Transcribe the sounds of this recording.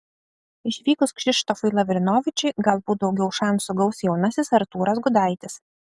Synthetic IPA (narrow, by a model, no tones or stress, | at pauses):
ɪʃʲʋʲiːkʊskʃʲɪʃt̪ɔfʊɪlˠɐʋʲɾʲɪnoːʋʲɪt͡ʃʲɛɪɡɐlˠbuːd̪ɒʊɡʲɛʊʃɑnsʊɡɐʊsjɛʊnɐsʲɪsɐɾt̪uːɾɐsɡʊd̪ɐɪt̪ʲɪs